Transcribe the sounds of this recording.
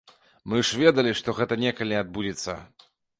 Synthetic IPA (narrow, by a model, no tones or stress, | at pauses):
mɨʂvʲɛd̪ɐlʲiʂt̪ɔɣɛt̪ɐnʲɛkɐlʲiad̪̚bud͡zʲit̪sːɐ̰